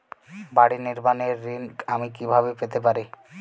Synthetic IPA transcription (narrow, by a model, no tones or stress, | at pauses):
baɽiniɾbaneɾːiŋkamikibʱabepet̪epaɾi